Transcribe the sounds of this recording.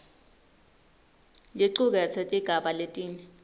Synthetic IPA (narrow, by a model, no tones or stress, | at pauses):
liǀuk̬ɛt͡sʰetʼiɡ̥ʱaɓaletʼiːnɛ